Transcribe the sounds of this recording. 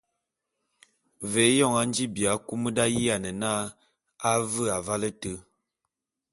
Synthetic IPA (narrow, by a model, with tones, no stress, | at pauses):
ve˨˦jɔ˦˨ŋa˦n˦d͡ʒi˦bja˨ku˦mə˦da˦ji˦a˨nə˨na˦ | a˦və˦a˨va˦lə˦tə˦